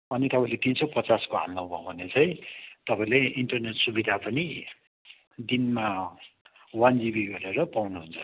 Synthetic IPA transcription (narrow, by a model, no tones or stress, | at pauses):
ʌnit̪ʌpãĩlet̪insʌpʌt͡saskoɦa̰lnʌ̃bʱʌ̰̃bʱʌnet͡saĩt̪ʌpaĩleʔiɳʈʌrneʈsubid̪ʱapʌni | d̪inma | wand͡zibiɡʌɾeɾʌpawnuɦunt͡sʰʌ